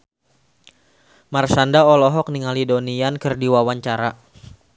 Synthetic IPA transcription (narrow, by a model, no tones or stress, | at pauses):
marsandaɔlɔɦɔk̚niŋalidoniankɨrdiwawaɲt͡ʃaɾa